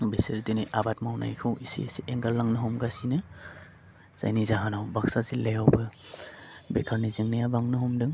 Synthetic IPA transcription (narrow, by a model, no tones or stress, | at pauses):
beseɾdɯniʔabat̚mawna̰jkʰɯwisḭesiʔeŋɡallaŋnɯɦɔmɡasinɯ | z̥a̰jnizaɦanawbaksazilejawbɯ | bekʰaɾniziŋnajabaŋnɯɦɔmdɯŋ